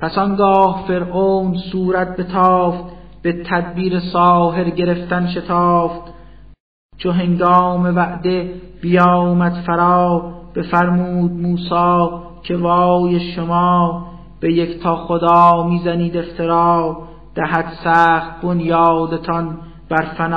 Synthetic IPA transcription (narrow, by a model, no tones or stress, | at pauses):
pʰæsɒŋɡɒːhfe̞ɾʔoːnsuːɾæt̪̚be̞t̪ʰɒːft̪ | b̥e̞t̪ʰæd̪biːɾesɒːɦe̞ɾɟe̞ɾe̞ft̪ænʃe̞t̪ʰɑːft̪ | t͡ʃʰoɦe̞ŋɡɒːme̞væʔd̪e̞ | b̥ijɑɒːmæd̪̥fæɾɑːb̥e̞fæɾmuːd̪̚muːsɑː | cʰe̞vɒːjeʃomɑː | b̥eject̪ʰɒːxod̪ɑːmiːzæniːd̪e̞ft̪ʰe̞ɾɑː | d̪̥æɦæt̪sæːχt̪̚bonjɑːd̪e̞t̪ʰɒn | b̥æɾfænː